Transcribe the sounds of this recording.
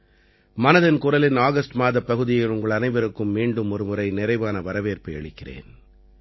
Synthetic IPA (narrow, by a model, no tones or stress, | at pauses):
mɐnɐðɐnkʊrɐlɪnaːɣɐsʈmaːðɐpːɐɣɯðɪjɐɪlʊŋɡɐɭɐnɐɪʋɐɾɯkːɯmːiːɳɖɯmɔɾɯmɯɾɐɪnɪɾɐɪʋaːnɐʋɐɾɐʋeːrpɐɐ̰ɭɪkːɪrḛːn